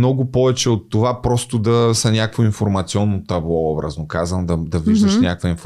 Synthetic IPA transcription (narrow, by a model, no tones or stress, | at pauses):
nɔɡʊpɔvɛt͡ʃɛot̪ːovapɾɔst̪ʊd̪ɐsɐnʲakəkvʊinfoɾmɐt̪siɔnːot̪ɐblˠɔɔbɾə̰znʊkazvɐmd̪ɐd̪ɐviʒd̪ʃnʲjakvɐinf